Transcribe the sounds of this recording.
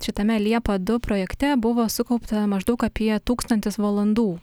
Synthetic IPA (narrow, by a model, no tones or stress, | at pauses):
ʃʲɪt̪ɐmʲɛlʲiɛpɐd̪ʊpɾoːjɛkt̪ʲɛbʊʋoːsʊkɐʊpt̪ɐmɐʒd̪ɐʊkɐpʲiɛt̪uːkst̪ɐnʲt̪ʲɪsʋɐlˠɐnd̪uː